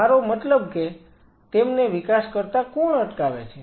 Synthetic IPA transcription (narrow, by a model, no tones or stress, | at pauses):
aɾomət̪ləbke | t̪emneʋikaskəɾt̪akoɳəʈkaʋḛt͡ʃʰe